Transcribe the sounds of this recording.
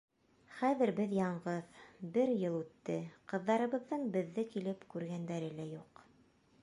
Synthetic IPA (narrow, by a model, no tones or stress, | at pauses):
χæðɘ̆ɾbɘðjɑɴɢɤðbɘɾjɤlˠʉt̪ːɘqɤ̆ðːɑɾɤ̆βɤ̆ðːɤɴbɘ̆ðːɘkilɘpkʉɾɡænd̪æɾɘlæjuq